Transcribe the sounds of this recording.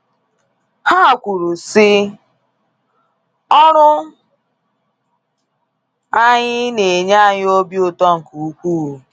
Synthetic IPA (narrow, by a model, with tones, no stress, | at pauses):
ha˦˨kʷu˨ɾu˨sɪ˦ | ɔ˦ɾʊ˦ | a˦ɲɪ˦ne˨ɲa˦˨ɲɪ˦o˦bi˦o˨tɔ˦ŋ̩˨ku˨u˦kʷuː˦˨